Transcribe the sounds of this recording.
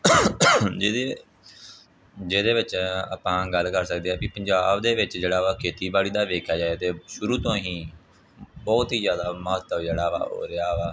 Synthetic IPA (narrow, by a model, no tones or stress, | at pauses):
d͡ʒeːd̪e | d͡ʒeːd̪eːʋɪt͡ʃə̰pãːɡəlkəɾsək̚d̪eːɦɛːkiːpəɲd͡ʒaːbd̪eːʋɪt͡ʃd͡ʒeːɽaːʋaːkʰeːt̪iːbaːɭiːd̪aːʋeːkʰjaːd͡ʒaːeːt̪eːʃʊɾuːt̪õːɦiː | bɔːt̪iːzjaːd̪aːməɦət̪ːəd͡ʒeːɽaːʋa̰ːo̰ːɾeaːʋaː